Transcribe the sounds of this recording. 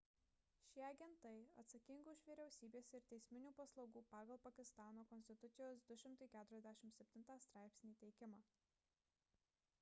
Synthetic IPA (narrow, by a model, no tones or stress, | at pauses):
ʃʲiɛɐɡʲɛnt̪ɐɪɐt̪sɐkʲɪŋɡʊʊʃʋʲiːɾʲɛʊsʲiːbʲeːsʲɪɾt̪ʲɛɪsʲmʲɪnʲuːpɐslˠɒʊɡuːpɑːɡɐlˠpɐkʲɪst̪ɑːnoːkɔnsʲt̪ʲɪt̪ʊt̪sʲɪjoːsd̪ʊʃʲɪmt̪ɐɪkʲæːt̪ʊɾʲɛzʲd̪ʲæʃʲɪmsʲɛpʲt̪ʲɪnt̪ɑːst̪ɾɑˑɪpʲsʲnʲiːt̪ʲɛɪkʲɪmɑː